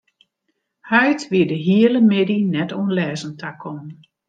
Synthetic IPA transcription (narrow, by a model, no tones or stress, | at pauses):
hœɥtʋiədəɦiələmɪdinɛtoənlɛːzəntʰakʰɔn